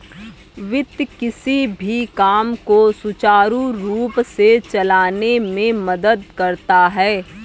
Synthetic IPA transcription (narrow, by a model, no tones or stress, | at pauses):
ʋɪt̪jkɪsibʱikaːmkosʊt͡ʃaːɾũɾuːpset͡ʃɐlaːnemẽmɐd̪əd̪̚kɐɾt̪aɦɛː